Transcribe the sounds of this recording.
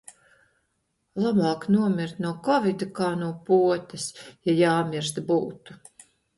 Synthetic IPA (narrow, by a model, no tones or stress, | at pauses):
lˠabaːknuɔmʲiɾt̪nuɔkɔvʲid̪ukaːnuːpuɔt̪ɐsjajaːmʲiɾs̬t̪buːt̪u̥